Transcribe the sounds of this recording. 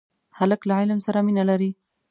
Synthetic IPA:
haləklaʕɪlmsaɾaminalaɾi

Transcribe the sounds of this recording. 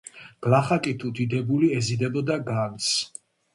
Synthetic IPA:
ɡ̥laχakʼit̪ʰud̪id̪ɛbuliɛzid̪ɛbɔd̪aɡans

